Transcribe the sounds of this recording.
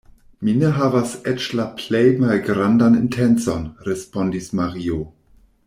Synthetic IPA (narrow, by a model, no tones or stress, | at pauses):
mineɦavaset͡ʃlapʰlejmalɡɾandanḭntʰent͡so̞nɾespondismaɾio